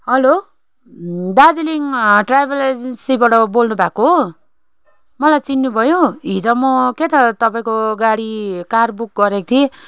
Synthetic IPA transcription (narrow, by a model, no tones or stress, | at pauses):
ɦʌlo | d̪ad͡ziliŋʈrajbeled͡zensibaʈʌbolnubʱako | mʌlajt͡sinːubʱʌjoɦid͡zʌmʌket̪ʌt̪ʌpaĩkoɡaɽikarbuk̚ɡʌɾekt̪ʰie